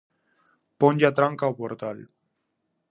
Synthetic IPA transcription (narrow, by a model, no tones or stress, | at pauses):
poɲʲʎat̪ɾaŋkaopoɾt̪al